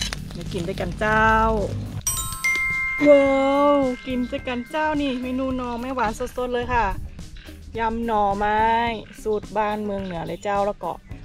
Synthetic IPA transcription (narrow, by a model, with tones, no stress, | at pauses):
da˧˦ki˨˩ndaː˧˩jka˨nt͡ɕaː˧˥˩w | ʔɤː˧ki˨˩ndːka˨˧˨nt͡ɕaː˥˩˨wniː˧˩ma˥˩jnuː˧˩nɔː˧maː˧˥˩jwaː˨˦nso˧˩t̪̚so˧˦n̚lɤː˧jkʰa˧˥˩ | ja˧mnɔː˧˩maː˦˥jsuː˧˩t̪̚baː˧˥˩nmɯ˧əŋnɯ˨˩˦ɐlaː˧˦jt͡ɕaː˥˩wla˧˩kɔ̰ː˧˩